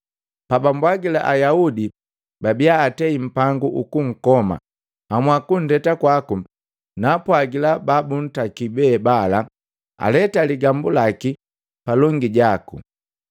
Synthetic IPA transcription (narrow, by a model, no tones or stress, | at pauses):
pabambwaɡila̰ʔajaudi | babiaːtɛim̩paŋɡuʔukuŋ̩kɔma̰ | hamwakun̩dɛtakwaku | napwaɡilababun̩takibɛːbala | a̰lɛtaliɡambulaki | palɔŋɡiɟakṵ